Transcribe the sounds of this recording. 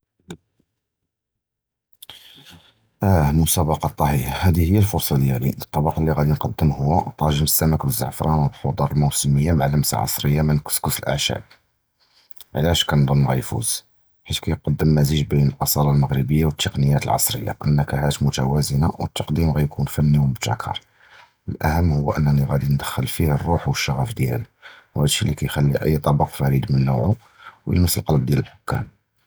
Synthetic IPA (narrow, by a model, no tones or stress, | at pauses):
ʔæmʊsæbɑqɑt̪ˤːɑħihahæd̪ihəjːælfʊɾsˤɑd̪jælḭt̪ˤːɑbɑqɑlːiɣæd̪inqɑd̪ːəmhʊwːat̪ˤɑʒəməsæməkbəzːə̰ʕfɾˤɑnwəbħod̪ˤɑɾˤəlmuwsəməjːamaʕləmsa̰ʕɑ̰sˤɾəjːamænkskʊsəlʔæ̰ʕʃæ̰b̚ | ʕlæʃkænd̪ˤənːɣæ̰jfṵz̥ | ħit̪kæjqɑd̪ːəmːæziʒbinəlʔɑsˤɑɾˤɑlməɣɾəbəjːawət̪ʰːəqnəjːæt̪əlʕɑ̰sˤɾəjːa̰ʔə̰nːəkæhæt̪mʊt̪æwæzənawət̪ːɑqd̪imɣæjkʰunfænːiwmʊt̪æ̰kʰːɑ̰ɾˤ | əlʔæ̰həmːhʊːʔə̰nːæniɣæd̪ind̪əxːəlfihərˤːuħwəʃːɑɣæfd̪jæ̰lwhæd̪ʃːilikæjxælːiʔə̰jːt̪ˤɑbɑqfæɾid̪mənːṵʕu | wjə̰nəsːəlqɑlb̚d̪jæləlħʊkːæ̰m